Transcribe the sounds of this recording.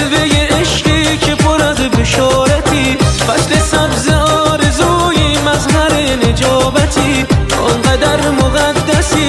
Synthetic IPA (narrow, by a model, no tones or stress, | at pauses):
bejeeʃqicʰepʰoɾazbeʃɒːɾat̪ʰifæslesæbzeɒːɾezuːjimæzhæɾened͡ʒɒːbæt̪ʰiʔonɡæd̪æɾmoɣæd̪ːæsi